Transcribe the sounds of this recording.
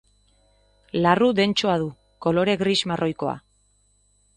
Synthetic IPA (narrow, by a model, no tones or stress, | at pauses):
larud̪e̞nt͡ʃoaðu | ko̞lo̞ɾe̞ɣɾizmarʔo̞jko̞a̰